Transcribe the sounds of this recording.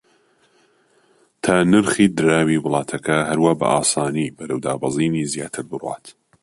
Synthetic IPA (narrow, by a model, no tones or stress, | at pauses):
t̪ʰaːnɨɾχiːd̪ɨɾaːwiwʊlˠɑːt̪ʰɐkʰɐɦɐɾwaːbɐ̰ʔaːsaːniːbɐɾɐwd̪a̰ːbɑzˤiːnizjaːt̪ʰɨɾbɨrwɑ̰ːt̪